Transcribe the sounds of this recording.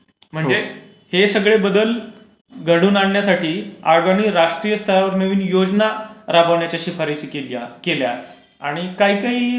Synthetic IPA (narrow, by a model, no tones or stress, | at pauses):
m̤əɳɦd͡ze | hesəɡɭebəd̪əl | ɡʱəɽuːnaɳːjasaʈiːaʋaɽ̃iɾaʂʈɾijəst̪ʰəɾaʋəɾnəʋiːnjod͡znaɾabəʋɳjat͡ɕjaɕiːfʰəɾeɕikeljakelja | aɽ̃ikaɦikaɦiː